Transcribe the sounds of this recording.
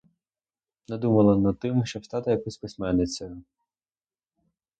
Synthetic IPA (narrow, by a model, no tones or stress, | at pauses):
mnɐd̪umɐlˠɐnɐd̪̚t̪ɪmʃt͡ʃɔwst̪ɑt̪ɪjɐkɔsʲpɪsʲmɛnːɪt͡sʲɐjʊ